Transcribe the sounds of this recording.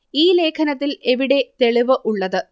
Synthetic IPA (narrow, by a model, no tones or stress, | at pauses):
iːle̞ːkʰɐnɐt̪ːileʋiɽe̞t̪e̞ɭiʋɨʔuɭːɐðɨ